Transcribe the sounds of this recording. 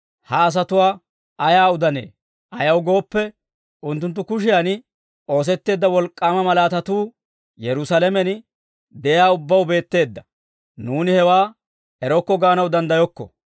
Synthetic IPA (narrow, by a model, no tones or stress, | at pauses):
hɐːs̬ɐt̪ʊwaː | ɐjaːʊd̪ɐne̞̰ː | ʔɐjɐwɡo̞ːpːɛ | ʊnt̪ːʊnt̪̬ːʊkʊʃ̬ɪjan | o̞ːs̬ɛt̪ːe̞ːd̪ːɐwɔlkʼːaːmɐmɐlaːt̪ɐt̪uː | jɛɾʊsɐlɛmɛn | d̪ɛjaːʊbːɐwbe̞ːt̪ːe̞ːd̪ːɐ | nuːnɪhɛwaː | ɛɾɔkːɔɡaːnɐwd̪ɐnd̪ɐjɔkːɔ̰